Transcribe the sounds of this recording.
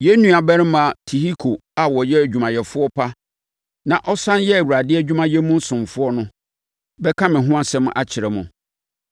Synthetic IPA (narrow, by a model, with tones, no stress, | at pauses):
jɛ˦nũ˦a˨bɛ˦ɾɪ̃˦mã˨tʰi˨hi˦kʰo˨a˨wɔ˨jɛ˦æ˨d͡ʑᶣu˨mã˨jɛ˨fʊ˦ɔ˦pʰa˦ | nã˨ʔɔ˦sã˦njɛ˦æ˨wu˨a˨dɪ˦ɛ˦˨d͡ʑᶣu˦mã˦jɛ˦mũ˦n̩˦sʊ̃˨mfʊ˦ɔ˦nʊ̃˦ | bɛ˦kʰã˦mɪ̃˨ɦʊ̃˦a˦sɛ̃˦mʊ̃˦ʔa˦t͡ɕʰɪ˨ɾɛ˨mʊ̃˨